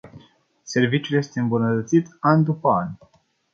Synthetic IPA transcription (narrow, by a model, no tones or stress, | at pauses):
se̞rvit͡ʃjulje̞st̪eɨmbunət̪ət̪sit̪anʲd̪upəa̰nʲ